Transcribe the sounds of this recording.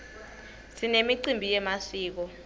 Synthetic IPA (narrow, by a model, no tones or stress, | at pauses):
sinemiǀimbʱijɛmasiːk̬ɔ